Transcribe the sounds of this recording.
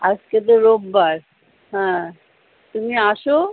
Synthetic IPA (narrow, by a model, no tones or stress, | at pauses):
ad͡ʒked̪oɾobːaɾ | ɦɛ̃ | t̪umiaʃo